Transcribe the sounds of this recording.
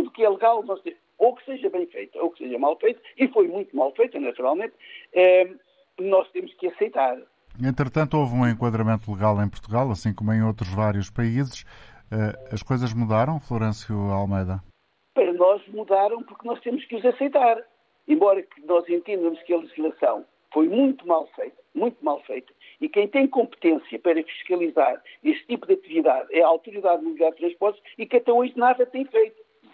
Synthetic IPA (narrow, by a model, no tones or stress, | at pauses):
t̪uðukɛlˠɨɣalˠnɔʃt̪e | okseʒɐβɐ̃j̃fejt̪ɐokseʒɐmalˠfejt̪u̥ifojmũj̃t̪umalˠfejt̪ɐnɐt̪uɾalˠmẽnt̪̚ɛ | nɔʃt̪emʊʃkɨɐsɐjt̪aɾ | ẽnt̪ɾɨt̪ɐ̃nt̪uovũẽŋkwɐðɾɐmẽnt̪ulˠɨɣalˠẽj̃puɾt̪uɣalˠɐsĩkomuẽj̃ot̪ɾuʒvaɾjuʃpɐizɨʃɛɐʃkojzɐʒmuðaɾɐ̃w̃flˠuɾẽsjualˠmɐjðɐ | pɐɾɐnɔʒmuðaɾɐ̃w̃puɾknɔʃt̪emʊʃkuzɐsɐjt̪aɾ | ẽmbɔɾɐkɨnɔzẽnt̪ẽnd̪ɐmuʃkɐlˠɨʒiʒlˠɐsɐ̰̃w̃ | fojmũj̃t̪umalˠfejt̪ɐ̥mũj̃t̪umalˠfejt̪ɐ̥ | ikɐ̃j̃t̪ẽj̃kõmpt̪ẽsjɐpɐɾɐfi̥ʃkɐlˠizaɾeʃt̪t̪ipuðɐt̪iviðaðɛɐawt̪uɾiðaðnumlaɾt̪ɾɐ̃ʃpɔɾt̪ʃikɐt̪ɛoʒnaðɐt̪ɐ̃j̃fejt̪u̥